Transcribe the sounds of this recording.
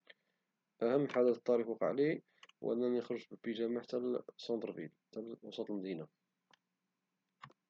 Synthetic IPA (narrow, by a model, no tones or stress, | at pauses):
ʔæhəmːħad̪æt̪ˤːɑɾifwɑqɑ̰ʕli | wʔə̰nːænəxɾəʒbəbiʒæmaħt̪ælsɑnd̪ˤɾvḭlt̪ælwɑ̰sˤɑt̪ˤəlmæd̪ina